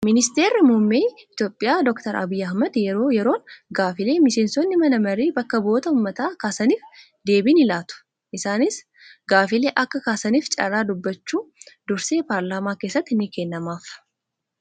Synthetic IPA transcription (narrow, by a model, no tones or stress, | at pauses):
mɪnɪst̪e̞ːɾːɪmʊmːeːɪt̪joːpʼːɪjaːd̪ɔkt̪ɐɾʔɐ̰bijːɐhmɐd̪jɛɾo̞ːjɛɾo̞ːŋɡaːfɪle̞ːmɪʃe̞ːnsɔnːɪmɐnɐmɐɾeːbɐkːɐbo̞ːt̪ɐʊmːɐt̪aːkaːsɐniːf | d̪e̞ːbɪnɪlaːt̪ʊ̥ | ʔɪsaːnɪs | ɡaːfɪle̞ːʔɐkːɐkaːsɐniːft͡ʃʼɐ̰ɾaːd̪ʊbːɐt͡ʃːuːd̪ʊɾse̞ːpaːɾlaːmaːkeːsːɐt̪ːɪnːɪkɛnːɐmaːf